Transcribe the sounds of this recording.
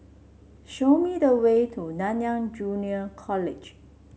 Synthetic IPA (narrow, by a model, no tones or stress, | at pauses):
ʃomidəwetʰunãnjãŋd͡ʒuniəkʰɔlɪd͡ʒ